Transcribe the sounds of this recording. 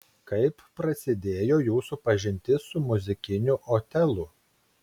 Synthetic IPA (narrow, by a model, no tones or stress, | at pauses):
kɐɪpːɾɐsʲɪd̪ʲeːjoːjuːsʊpɐʒʲɪnʲt̪ʲɪsʊmʊzʲɪkʲɪnʲʊʔoːt̪ʲɛlˠʊ